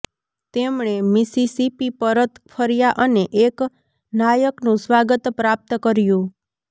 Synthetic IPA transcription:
t̪emɳ̃emisisipipəɾət̪pʰəɾjaʔəneʔek | najəknũsʋaɡət̪pɾap̚t̪əkəɾjũ

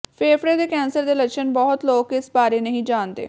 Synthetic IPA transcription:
pʰeːfʰɾeːd̪eːkɛːnsəɾd̪eːləkʃənbɔːʊt̪loːkɪsbaːɾeːnəɦĩːd͡ʒaːnd̪ḛː

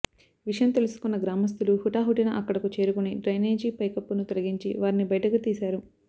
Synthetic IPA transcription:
ʋiʂɐjɐmt̪e̞lusu̥kunːɐɡɾaːmɐs̬t̪uluhuʈaːɦuʈinɐʔɐkːɐɽɐkut͡ʃe̞ːɾukuniɖɾɐjneːd͡ʒiːpɐjkɐpːunut̪olɐɡiɲt͡ʃḭʋaːɾinibɐjɐʈɐkut̪iːsaːɾu

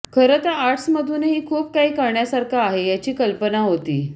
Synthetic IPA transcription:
kʰəɾət̪aaʈsməd̪ʱuneɦiːkʰuːp̚kaɦiːkəɾɳjasaɾkʰaːɦejat͡ɕiːkəlpənaɦot̪ḭː

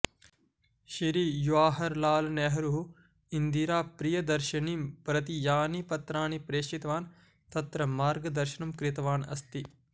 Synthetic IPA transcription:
ʃiɾijuʋaːɦɐɾlaːlnɛɦɐɾuɦu | ind̪iɾaːpɾijɐd̪ɐɾʃɐnipɾɐt̪ijaːnipɐt̪ɾaːnipɾeːʃit̪ɐʋaːn | t̪ɐt̪ɾɐmaːɾɡɐd̪ɐɾʃɐnɐmkɾɪt̪ɐʋaːnɐ̰st̪i

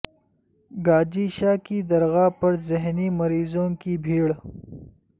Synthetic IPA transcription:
ɡaːd͡ʒiːʃaːkid̪ɐɾɣaːpɐɾzɪɦnimɐɾiːzõːkibʱiːɽ

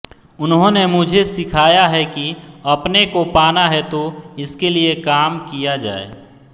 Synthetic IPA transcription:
ʊnɦõnemʊd͡ʒʱesɪkʰaːjaɦɛkiɐpnekopaːnaɦɛt̪oɪskeliekaːmkijad͡ʒa̰ːḛː

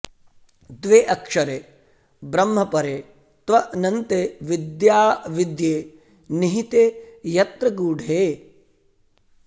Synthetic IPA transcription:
d̪ʋeːʔɐkʂɐɾeː | bɾɐmːɐpɐɾeː | t̪ʋɐʔnɐnt̪eʋid̪jaːʋid̪jeː | niɦit̪eːjɐt̪ɾɐɡuːɖʱeː

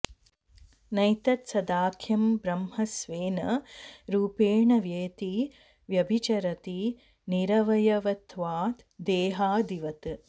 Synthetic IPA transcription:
nɐjt̪ɐt̪sɐd̪aːkʰjɐmbɾɐmhɐsʋeːnɐɾuːpeːɳɐʋjɐjt̪i | ʋjɐbʱit͡ʃɐɾɐt̪i | niɾɐʋɐjɐʋɐt̪ʰʋaːt̪d̪eːɦaːd̪iʋɐt̪ɨ

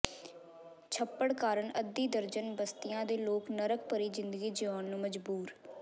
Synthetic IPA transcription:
t͡ʃʰəpːəɽkaːɾəɳəd̪ːiːd̪əɾd͡ʒənbəst̪ɪjãːd̪eːloːknəɾək̚pəɾiːzɪ̃nd̪əɡiːd͡ʒɪʋãːnːũːməd͡ʒbuːɾ

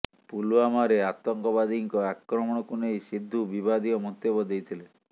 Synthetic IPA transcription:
puluamaɾeat̪ɔŋkɔbad̪iŋkɔakɾɔmɔɽ̃ɔkunejsid̪ʱːubibad̪ijɔmɔt̪ːebɔd̪ejt̪ʰile

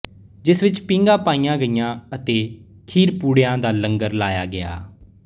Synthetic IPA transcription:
d͡ʒɪsʋɪt͡ʃpɪ̃ŋɡãːpaːijãːɡəijãːət̪eː | kʰiːɾpuːɽejãːd̪aːləŋɡəɾlaːjaːɡɪa̰ː

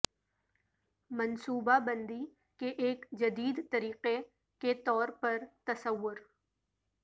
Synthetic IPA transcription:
mɐnsuːbabɐ̃nd̪i | keʔeːkd͡ʒɐd̪iːd̪t̪ɐɾiːqe | ket̪ɔːɾpɐɾt̪ɐsəʋːʊɾ

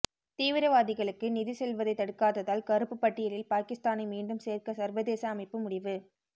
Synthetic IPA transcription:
t̪iːʋɪɾɐʋaːðɪɣɐɭɯkːɯnɪðɪsɛlʋɐðɐɪt̪ːɐɽɯkːaːðɐðaːlkɐɾɯpːɯpːɐʈːɪjɐlɪlpaːkɪst̪aːnɐɪmiːɳɖɯmseːrkɐsɐɾʋɐðeːsɐːmɐɪpːɯmʊɽɪʋɯ

